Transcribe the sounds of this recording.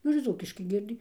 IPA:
ˈnʊ ɪr ˈd͡zuːkʲɪʃkɐɪ ˈɡʲiɛdʲɪ

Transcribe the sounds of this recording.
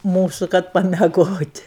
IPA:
ˈmuːsʊ kɐt pɐmʲɛˈɡoːtʲ

